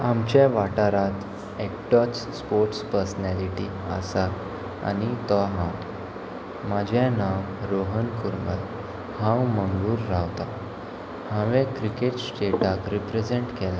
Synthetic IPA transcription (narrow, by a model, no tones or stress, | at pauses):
amt͡ɕaʋaʈaɾat̪ | ek̚ʈɔspoɾʈspəɾsnæliʈi | a̰sa | a̰nit̪ɔɦãw | mad͡ʑʱjanam | ɾoɦənkuɾməɾ | hãwməŋɡɭuːɾːawt̪a | hãʋɛ̃kɾikeʈsʈeʈakɾipɾed͡zeɳʈkɛla